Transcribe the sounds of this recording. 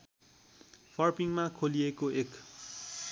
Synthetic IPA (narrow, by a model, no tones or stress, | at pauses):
fʰʌrpiŋmakʰoliekoʔek